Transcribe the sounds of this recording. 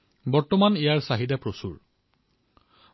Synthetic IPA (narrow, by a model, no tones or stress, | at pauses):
bɔɹtɔmanijaɹsaɦidɛpɹosṵɹ